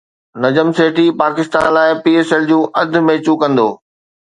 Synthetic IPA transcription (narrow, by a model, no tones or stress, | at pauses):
nɐd͡ʑəmseːʈipaːkɪst̪a̰ːnlaːɪpiːeːsɛld͡ʑũːʔɐd̪̆ʱmẽːt͡ɕukɐ̃nd̪oː